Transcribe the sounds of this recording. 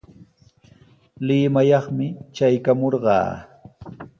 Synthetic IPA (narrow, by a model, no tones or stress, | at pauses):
lɪmajɑχmɪt͡ʃajkamoɾɢɑ̰ː